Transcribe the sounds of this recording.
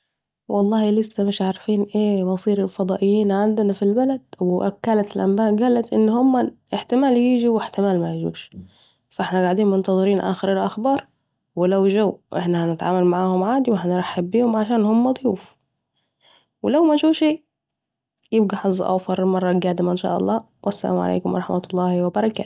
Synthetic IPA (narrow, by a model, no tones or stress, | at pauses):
wʔɑlˤːɑːhilɪsːamɪʃʕaɾˤfiːnʔeːwɑsˤiːɾɪlfɑd̪ˤɑːʔɪjːiːnʕand̪nafilbalad̪̥wɪʔa̰kːalat̪ɪlʔambaːʔɡaːlat̪ʔɪnːhʊmːaʔɪħt̪ɪmaːljiːd͡ʒiwɪħt̪ɪmaːlmajʒṵːʃ | faʔɪħnaɡaʕd̪iːnmʊnt̪ɑðˤɨɾiːnʔa̰ːxɪɾɪlʔaxbɑːɾˤ | wɪlawʒawʔɪ̰ħnahanɪt̪ʕaːmalmaʕaːhʊmʕaːd̪iwɪħanɾɑħːabːiːhʊmʕaʃaːnhʊmːad̪ˤjuːf | wɪlawmaʒuːʃiː | jɪbɡaħɑzˤːɑ̰ʔa̰wfɑɾˤmɑrˤːɑɡaːd̪ɪmaʔɪnʃa̰ːʔɑ̰lˤːɑː | wʔasːa̰la̰ːmʕa̰lḛːkʊmwʔɑ̰ɾˤɑħmʔɑt̪lˤːɑːhwɪbɑɾˤɑka